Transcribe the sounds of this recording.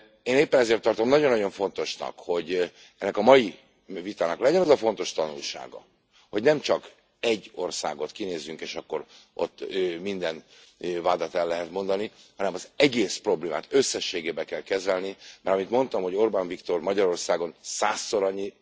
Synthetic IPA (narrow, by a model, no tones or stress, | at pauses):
eːneːpːɛnɛzeːrt̪ːɒrt̪o̞mnɒɟonːɒɟo̞ɱfo̞nt̪o̞ʃnɒ̰kho̞ɟ | ɛnːɛkɒmɒji | vit̪aːnɒklɛɟɛnɒzɒfo̞n̪t̪o̞ʃt̪ɒnulʃa̰ːɡɒ̰ | ho̞ɟnɛmt͡ʃɒk | ɛɟːo̞̰rsa̰ːɡo̞t̪kineːzːyŋkeːʃɒkːo̞ɾ | o̞̰t̪ːømind̪ɛnvaːd̪at̪ɛlːɛɦɛt̪mo̞nd̪ɒni | hɒnɛmɒzɛɡeːspro̞bleːma̰ːt̪øsːɛʃːeːɡeːbɛkɛlkɛzɛlnimɛ̰ɾɒmit̪mo̞nt̪ɒmho̞ɟo̞rbaɱvikt̪o̞rmɒɟɒɾo̞rsaːɡo̞nsaːsːo̞ɾɒɲːi